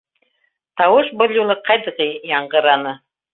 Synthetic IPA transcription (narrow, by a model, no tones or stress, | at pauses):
t̪ɑwɤʃbɤ̆lʲˠjulˠɤqʰɑjd̪ɤ̆ʁɤjɑɴɢɤ̆ɾɑnɤ